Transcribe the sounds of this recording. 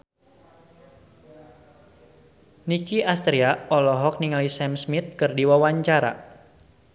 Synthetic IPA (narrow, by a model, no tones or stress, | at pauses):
nikiast̪ɾiaɔlɔɦɔk̚niŋalisɛmsmit̪̚kɨrdiwawaɲt͡ʃaɾa̰